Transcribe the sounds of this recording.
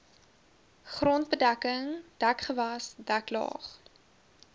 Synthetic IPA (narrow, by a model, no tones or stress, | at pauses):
χrɔnt̚bədækəŋd̥ækχəvɐsdæklɑ̰ːχ